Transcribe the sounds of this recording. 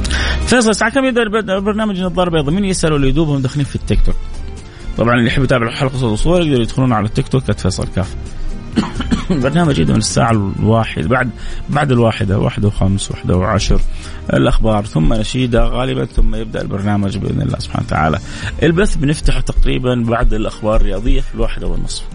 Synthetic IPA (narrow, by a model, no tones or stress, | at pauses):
feːs̬ˤɨlsaːʕakamjɪb̚d̪aʔbɑɾˤnaːmad͡ʒnɨðˤːɑːɾbeːðˤamiːnjɪsʔalulɪjd̪uːbhʊmd̪axliːnfit̪ːɪkt̪ok | t̪ˤɑbʕɑnʔɪlijħɪbːjt̪aːbɪʕħalqɨsˤɑlʔʊsˤuːɑˤɾjɪɡd̪ɑɾjɪd̪xluːnʕalat̪ːɪkt̪okʔat̪feːsˤɑ̰lkaːf | lbɑɾˤnaːmad͡ʒʔɪd̪amɪnɪsːa̰ːʕawaːħɪ̰d̪baʕd̪baʕd̪ɪlwaːħɪd̪awʔa̰ːħɪd̪awxamswa̰ħd̪a̰wʕa̰ʃɾ | ʔɪ̰lʔaxbɑːɾˤθʊmːanaʃiːd̪aɣaːlɪba̰nθʊmːajɪb̚d̪a̰ʔɪ̰lbɑɾˤnaːmad͡ʒbʔɪ̰d̪nɪ̰lːa̰ːsʊb̥ħa̰ːnt̪ʰa̰ʕa̰ːla̰ | ʔɪlbaθbnɪft̪aħt̪ɑqɾiːbanbaʕd̪ɪlʔaxbɑːɾˤrːɪjɑːðˤɪjːafilwaːħɪd̪awɪ̰nːɨsˤf